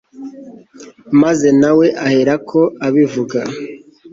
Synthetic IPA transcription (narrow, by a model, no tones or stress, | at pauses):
maze̞nawe̞ʔahe̞ɾakʰo̞aβivuɡa